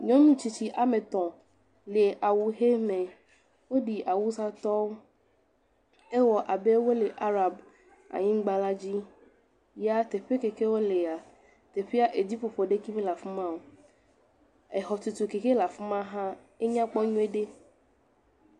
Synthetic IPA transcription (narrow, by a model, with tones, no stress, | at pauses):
ɲɔ̃˦nũ˦t͡ɕi˦t͡ɕi˦ʔa˨mẽ˨t̪ɔ̃˨ | le˨ʔa˨wu˨ɦe˦mẽ˨ | wo˦ɖi˨ʔa˨wu˦sa˦t̪ɔ˦wo˦ | e˦wɔ˨ʔa˨be˦wo˦le˨ʔa˦ɾa˨b | a̰˨ɲĩ˦ɡ͡ba˦la˦d͡ʑi˦ | ja˦t̪e˨ɸe˦ke˨ke˦wo˦le˨a˨ | t̪e˨ɸe˦a˦ʔe˨d͡ʑi˦ɸo˨ɸo˨ɖe˦ki˦mẽ˦la˨fi˦mã˦wo˨ | e˨ɦɔ˨t̪u˨t̪u˨ke˨ke˦la˨fi˦mã˦ɦã˦ | e˦ɲã˦k͡pɔ˦ɲũ˦e˦ɖe˦